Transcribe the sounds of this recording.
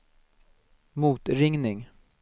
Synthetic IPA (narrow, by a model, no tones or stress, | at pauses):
muːt̪ɾɪŋnɪŋ